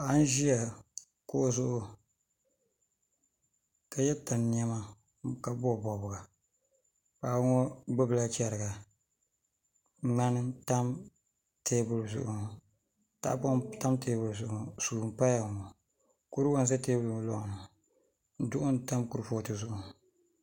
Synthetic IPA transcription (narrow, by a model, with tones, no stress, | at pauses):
a˦n˦ʒi˦ja˨ | kʊ˦ʔʊ˦zʊ˦ʔʊ˦ | ka˨jɛ˦ta˨n˨n˦a˦ma˦ | ka˨bɔ˦˨bɔ˨bʊ˨ɡa˨ | paː˨˦ŋɔ˦ɡ͡bɨ˦bɨ˨la˦t͡ʃɛ˨ɾɨ˨ɡa˨˦ | ŋ͡ma˦nɨ˦ta˦m | teː˦bʊ˨lzʊ̰˨ʔʊ˨ | ta̰˦pɔ˦ta˦mteː˨˦bʊ˨lzʊ˨ʔʊ˨su˨m˦pa˦ja˨ɔ˨ | ko˦ɾɨ˦wa˦nsɛ˦teː˦bʊ˦˨lɔ˦ʔnɨ˨ | n̩˦dʊ˦ʔʊ˦n˦ta˦mku˨ɾɨ˨foː˦˨tɨ˨zʊ˨ʔʊ˨